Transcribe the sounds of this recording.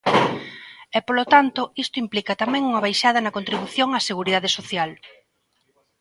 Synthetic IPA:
ɛpolot̪ant̪ʊist̪ʊimplikɐt̪amɛ̃ŋuŋɐβajʃað̞ɐnɐkont̪ɾiβuθjoŋaseɣuɾiðaðesoθjal

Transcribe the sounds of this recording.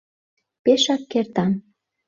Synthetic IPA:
peʃɑkːert̪ɑm

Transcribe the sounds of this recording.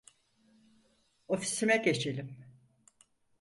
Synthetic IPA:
o̞fi̥simɛce̞t͡ʃʰelʲim

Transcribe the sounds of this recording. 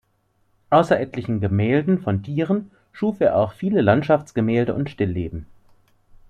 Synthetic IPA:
ʔaʊsɐʔɛtʰlɪçn̩ɡəmɛːldn̩fɔntʰiːʁ̞ən | ʃuːfeːɐʔaʊxfiːləlantʃaft͡sɡ̥əmɛːldəʔʊ̰ntʃtɪlːeːbm̩

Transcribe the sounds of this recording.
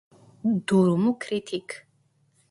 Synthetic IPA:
d̪uɾumukʰrit̪ʰikʰ

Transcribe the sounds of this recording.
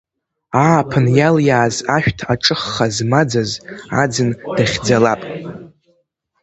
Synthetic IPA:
aːpʰɨnjaljaːzaʃᶣtʰaʈ͡ʂʼɨχːazmad͡zaza̰d͡zɨnd̥aχʲd͡zalapʼ

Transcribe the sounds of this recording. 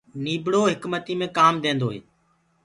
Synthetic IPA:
niːbɽoːɦɪkmət̪iːmẽːkaːmd̪ẽːnd̪oːɦḛː

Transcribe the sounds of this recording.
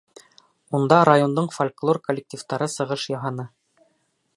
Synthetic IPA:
und̪ɑɾajo̞nd̪ɤɴfolʲklˠo̞rkolʲːɪk̚tʲift̪ɑɾɤsɤ̆ʁɤʃjɑɦɑnɤ

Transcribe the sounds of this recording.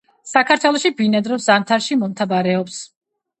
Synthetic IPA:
sakʰaɾt̪ʰwɛlˠɔʃibinɛd̪ɾɔzamt̪ʰaɾʃimɔmt̪ʰabaɾɛɔps

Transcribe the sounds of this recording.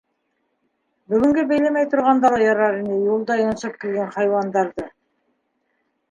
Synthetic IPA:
bʏɡʲʏŋɡʲebejlemejt̪ʰʊɾʁɑnd̪ɑlˠɑjɑɾɑɾinejulˠd̪ɑjonsɑp̚kʲʰelɡʲenχɑjwɑnd̪ɑɾd̪ə

